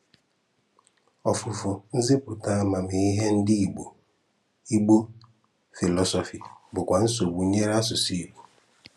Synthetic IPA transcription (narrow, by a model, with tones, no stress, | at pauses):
ɔ˨fʊ˨fʊ˨n̩˦ze˦pu˨ta˦a˦ma˨mi˨i˦ɦe˦n̩˦dɪ˦i˨ɡ͡bo˨ | i˦ɡ͡bo˦ | fi˨lɔ˦sɔ˨fi˨bʊ˨kʷa˨n̩˦so˨wu˨˦ɲe˦ɾa˦sʊ˨si˦i˨k͡po̥˨